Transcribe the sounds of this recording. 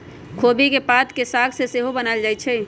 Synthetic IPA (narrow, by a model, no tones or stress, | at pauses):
kʰobikepat̪kesakʰseseɦobənald͡ʒaːjt͡ʃʰɛ